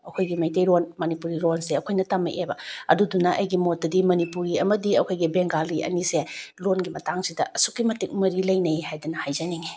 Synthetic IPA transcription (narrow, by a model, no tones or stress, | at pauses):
ɐkʰojɡimɐjtejɾonmɐnipuɾiɾonseɐkʰojnɐtamɐ̰ʔebɐɐ̰dudunɐʔɐjɡimot̚dɐdimɐnipuɾiɐmɐdiɐkʰojɡibeŋɡalːiʔɐ̰niselonɡimɐtaŋsidɐʔɐsukːimɐtik̚mɐɾilɐjnɐjhajdɐnɐhajzɐniŋi